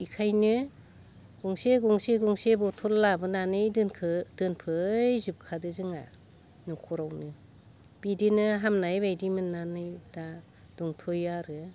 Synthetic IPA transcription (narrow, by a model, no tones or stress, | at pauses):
ikʰajnɯ | ɡ̥uŋseɡuŋseɡuŋsebɔtʰɔllabɯnanɯjdnkʰɯd̥ɯnpʰɯjzɯp̚kʰadɯzɯŋa̰ | nɯkʰɔɾawnɯ | b̥idinɯɦamnajbajdimɯnːanɯjda | d̥ɔŋtʰɔjaɾɯ